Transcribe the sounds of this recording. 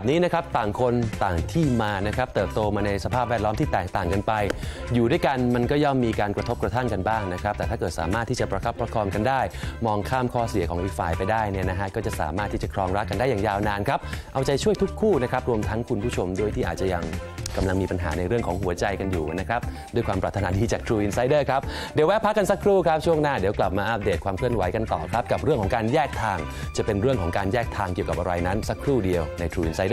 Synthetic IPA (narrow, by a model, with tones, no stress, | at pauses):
p̚niː˦˥na˦˥kʰɾa˦˥p̚t̪aː˨˩ŋkʰo˧nt̪aː˨˩ŋt̪ʰiː˥˩maː˧na˦˥kʰɾa˦˥p̚t̪ɤː˨˩p̚t̪oː˧maː˧na˧jsa˧pʰaː˥˩p̚wɛː˥˩lɔː˦˥mt̪ʰiː˥˩t̪ɛː˨˩k̚t̪aː˨˩ŋka˧npa˧j | juː˨˩du˥˩jka˧nma˧nkɔː˥˩jɔː˥˩mːiː˧kaː˧nkɾa˧t̪ʰo˦˥p̚kɾa˧t̪ʰa˥˩ŋka˧nbaː˥˩ŋna˦˥kʰɾa˦˥p̚t̪ɛː˨t̪ʰaː˥˩kɤː˨˩t̪̚saː˨˩˦maː˥˩t̪ʰːiː˥˩t͡ɕa˨˩pɾa˧kʰa˦˥pʰɾa˦˥kʰɔː˧nka˧ndaː˥˩jmɔː˧ŋkʰaː˥˩mkʰɔː˥˩si˨˩˦əkʰɔ˩˦ʔi˧faː˨˩jpa˧jdaː˥˩jni˥˩ɐna˦˥kʰa˦˥kɔː˥˩t͡ɕa˨˩ʔsa̰ː˨˩˦maː˥˩t̪ʰːiː˥˩t͡ɕa˨˩kʰɾɔː˧ŋɾa˦˥k̚ːa˧ndaː˥˩jaː˨˩ŋjaː˧wnaː˧nkʰɾa˦˥p̚ʔa˧wt͡ɕa˧jt͡ɕʰu˥˩əjt̪ʰu˦˥kʰːuː˥˩na˦˥kʰɾa˦˥p̚ɾu˧əmt̪ʰa˦˥ŋkʰu˧npʰuː˥˩t͡ɕʰo˧mdu˥˩jt̪ʰiː˥ʔaː˨˩t̪̚t͡ɕa˨˩ja˧ŋka˧mla˧ŋmiː˧pa˧nɦa̰ː˩˦na˧jɾɯ˥˩əŋkʰɔː˩˦ŋɦu˩˦ɐt͡ɕa˧jka˧njuː˨˩na˦˥kʰɾa˦˥p̚ | du˥˩jkwaː˧mpɾaː˨˧˩t̪ʰːa˧naː˧˥diː˧t͡ɕaː˨˩k̚t̪ʰɾuː˧ʔi˧nsa˦˥jdɤː˥˩kʰɾa˦˥p̚ | di˨˩˦wɛː˦˥pʰa˦˥kːa˧nsa˦˥kʰɾuː˥˩kʰɾa˦˥p̚t͡ɕʰu˥˩əŋnaː˥˩di˨˩˦kla˨˩p̚maː˧ʔa˦˥p̚deː˨˩t̪̚kwaː˧mkʰɯ˥˩ənwa˩˦jka˧nt̪ɔ̰ː˨˩kʰɾa˦˥p̚ka˨˩p̚ɾɯ˥˩əŋkʰɔː˩˦ŋkaː˧njɛː˥˩k̚t̪ʰaː˧ŋ | t͡ɕa˨˩pe˧nɾɯ˥˩əŋkʰɔː˩˦ŋkaː˧njɛː˥˩k̚t̪ʰaː˧ŋki˨˩əwka˨˩p̚ʔa˧ɾa˧jna˦˥nsa˦˥kʰɾuː˥˩di˧əwna˧jt̪ʰɾuː˧ʔi˧nsa˧˦jdɤ˥˩